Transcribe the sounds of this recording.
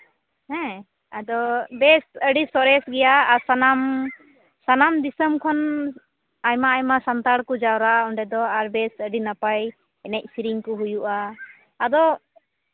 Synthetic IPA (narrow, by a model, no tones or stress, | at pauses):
hɛ̃ | ad̪ɔbɛsəɖisɔɾɛsɡɛjaːsanam | sanamd̪isəmkʰɔn | ajmaːjmasant̪aɽkud͡ʒawɾaɔɳɖɛd̪ɔaɾbɛsəɖinapaj | ɛnɛc̚siɾiŋkɔɦujuʔaː | d̪ɔ